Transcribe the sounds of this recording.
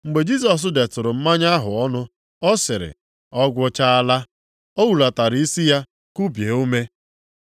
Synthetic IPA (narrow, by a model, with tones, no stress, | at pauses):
ŋ͡m̩˨ɡ͡be˨d͡ʒi˦s̬ɔ˨s̬ʊ˦de˨tʊ˨ɾʊ˨m̩˦ma˦ɲa˦ɦʊ˨ɔ˦nʊ˦ | ɔ˦sɪ˨ɾɪ̰˨ | ɔ˦ɡʷʊ˦t͡ʃa˦a˦la˦ | o˦wu˨la˨ta˨ɾi˦si˦ja˦ | ku˦bje˨o˦me˦